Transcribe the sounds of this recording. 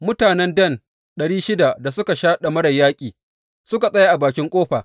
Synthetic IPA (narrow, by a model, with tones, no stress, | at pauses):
mʊ˦taː˨nɛ˦ndɐ˦˨n | ɗɐ˨ɽiː˦ʃɪ˦da˨da˨sʊ˦ka˨ʃaː˦ɗa˨mɐ˦ɽɐ˨jːaː˦kʲʼiː˨ | sʊ˦ka˨sʼɐ˦ja˦ʔa˨baː˨kʲɪ˦ŋkʷʼoː˦ɸa̰ː˨